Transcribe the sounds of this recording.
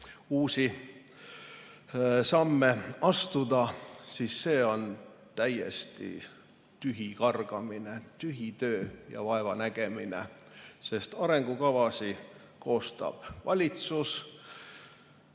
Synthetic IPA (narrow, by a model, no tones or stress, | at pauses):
uːsi | sɑmːeɑst̪ud̪ɑsiːsːe̞ːo̞n | t̪æjḛst̪ḭ | t̪yɦikɑrɡ̥ɑminet̪yɦit̪ø̞ːjɑ̰vɑevɑnæɡ̥e̞minḛ | se̞st̪ɑɾe̞ŋɡ̥ukɑvɑsi | ko̞ːst̪ɑ̰b̥vɑlʲit̪sus